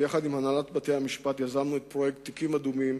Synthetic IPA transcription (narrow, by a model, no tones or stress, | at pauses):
jaχadimhanalatbate̞jamiʃpat̪jazamnuet̚pʁojekt̪ːikimad̪umim